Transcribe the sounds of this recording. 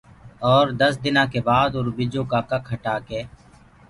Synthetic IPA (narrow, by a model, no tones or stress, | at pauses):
ɔːɾd̪əsd̪ɪnãːkeːbaːd̪ʊɾbɪd͡ʒõːkaːkakʰɦəʈaːkeː